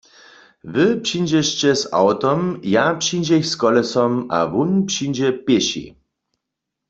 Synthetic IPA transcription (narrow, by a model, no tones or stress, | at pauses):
vɪpʂind͡ʑɛɕt͡ɕɛsa̰wt̪ɔmjapʂind͡ʑɛçskɔlɛsɔma̰vunpʂind͡ʑɛpjeɕḭ